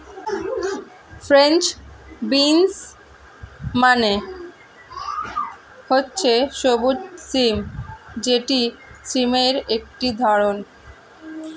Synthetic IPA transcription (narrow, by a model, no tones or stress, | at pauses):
fɾent͡ɕbins | mane | hotːɕʰeʃobut̪̚simd͡ʑeʈisimeɾek̚ʈid̪ʱɔɾon